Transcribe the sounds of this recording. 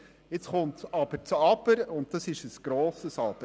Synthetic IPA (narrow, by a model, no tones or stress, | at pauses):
jɪt͡sχʊntt͡sɑbəɾt͡sɑbəɾʊnt̚dɑsɪʃəsɡ̥ɾoːsəsɑbə